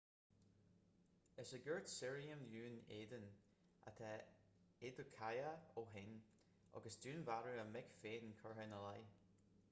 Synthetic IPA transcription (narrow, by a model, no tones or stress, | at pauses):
əsəɡəɹtsɪɹiəmlʉːneːd̪ən | a̰t̪ʰɛ | ed̪əkʰajəoːɦɪn | ʔɔ̰ɡəsdʉːnvaɹuəmɪkfeːdnkʰɔɹɦənəlaj